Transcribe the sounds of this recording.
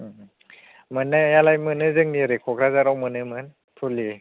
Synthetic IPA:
mɯnːajalajmɯnɯzɯŋniɾikʰok̚ɾazaɾɔwmɯnɯmɯn | pʰuli

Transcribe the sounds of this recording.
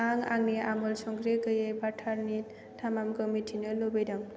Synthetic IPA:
aŋa̰ŋniamɔlsɔŋɡɾekɯjebaʈʰaɾni | tʰamamɡɔmitʰinɯlobejdam

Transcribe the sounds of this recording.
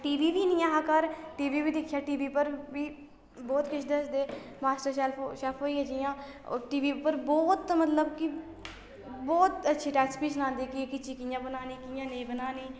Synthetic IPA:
ʈiːʋiːʋiːnĩːaːɦaːkəɾʈiːʋiːʋiːd̪ɪkʰːjaːʈiːʋiːpəɾʋiː | bɔːt̪kɪt͡ʃʰd̪esd̪eː | maːsʈəɾʃɛːlpːʃɛːlpʰɦoːiːəd͡ʒijãː | ʈiːʋiːpəɾbɔːt̪mət̪ləbkɪ | bɔːt̪ətːʃʰiːʈɛːkspiːsənãːnd̪iːkɪkɪt͡ʃʰiːkiːjãːbənaːniːkiːjãːnẽːbənaːniː

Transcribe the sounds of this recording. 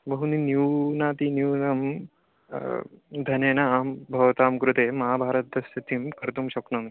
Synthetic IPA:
bɐɦuninjuːnaːt̪injuːnɐm | d̪ʱɐneːnɐaːmbʱɐʋɐt̪aːmkɾut̪eːmɐɦaːbʱaːɾɐt̪̚d̪ɐsjɐt̪ʰimkɐɾt̪umʃɐknɐm

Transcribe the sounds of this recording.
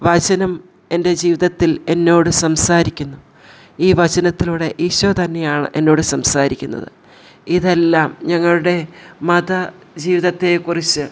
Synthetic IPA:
ʋɐd͡ʑɐnɐm | e̞nde̞d͡ʑiːʋiðɐt̪ːile̞nːo̞ːɽɨsɐmsaːɾikʲːunːu | iːʋɐd͡ʑɐnɐt̪ːiluːɽe̞ʔiɕot̪ɐnːe̞jaːɳɨ̰ʔe̞nːo̞ːɽɨsɐmsaːɾikʲːunːɐ̰ðɨ̰ | iðe̞lːaːmɲɐŋːɐɭuɽe̞mɐd̪ɐ | d͡ʑiːʋiðɐt̪ːe̞kurit͡ɕːɨ

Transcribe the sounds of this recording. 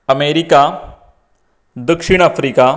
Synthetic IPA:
əmeːɾika | d̪əkʂiɽ̃afɾika

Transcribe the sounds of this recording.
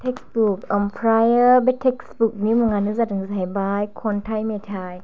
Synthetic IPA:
t̪ʰek̚sbuk̚ʔɔmpʰɾajəbet̪ʰek̚sbuk̚nimuŋaːnɯs̬at̪̚ɯsajbaːjkʰont̪ʰajmet̪ʰaːj

